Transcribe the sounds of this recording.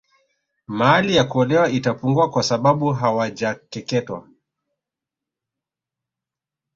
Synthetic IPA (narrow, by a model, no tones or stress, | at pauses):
maalijakuɔlɛwaitapuŋɡuakwasaɓaɓuɦawad͡ʒakɛkɛtwa̰